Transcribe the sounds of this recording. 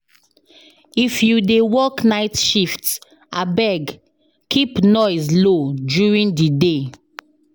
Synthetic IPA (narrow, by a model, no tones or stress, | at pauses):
ifjudewɔknaɪtʃift | abɛɡ | kipnɔɪzlodjuɹĩndide